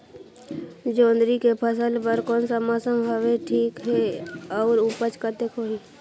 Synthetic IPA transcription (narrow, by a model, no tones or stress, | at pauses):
d͡ʒõːnd̪ɾikepʰəsəlpəɾkɔːnsamasəmɦəʋeʈʰiːkɦeɔːɾupət͡ʃkət̪ekʰoːi